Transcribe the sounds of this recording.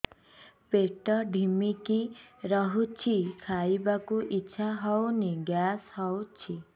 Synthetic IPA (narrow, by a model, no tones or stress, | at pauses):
peʈɔɖʱimikiɾɔɦut͡ʃʰikʰajbakuʔiːʃʰaɦɔwneɡjashɔwt͡ʃʰi